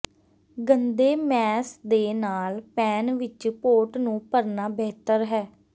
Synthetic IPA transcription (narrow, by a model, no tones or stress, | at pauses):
ɡənd̪eːmɛːsd̪eːnaːlpɛːnʋɪt͡ʃpoːʈnũːpəɾnaːbɛːt̪əɾɦɛː